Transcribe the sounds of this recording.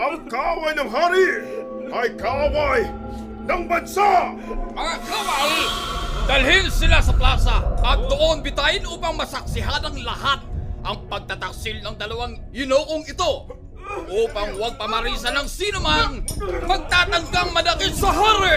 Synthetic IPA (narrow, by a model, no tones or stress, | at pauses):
ʔɐŋkɐawajnɐŋɦaːɾɪ | ɐjkɐawaj | nɐŋbɐnsa | mɐŋakawaj | d̪ɐlɦɪnsɪlasɐplaːsɐʔɐt̪̚d̪oʔoŋbɪt̪ajɪnʔuːpɐŋmɐsɐk̚sɪɦanɐŋlɐhat̪̚ʔɐŋpɐɡ̚t̪at̪ɐk̚sɪlnɐŋd̪ɐlɐwaŋ | jɪnoʔoŋɪt̪o̞ | ʔuːpɐŋwaɡ̚pɐmɐɾisɐnɐŋsiːnomanmɐɡ̚t̪at̪ɐŋɡaŋmɐd̪ɐkɪt̪sɐɦaɾɪ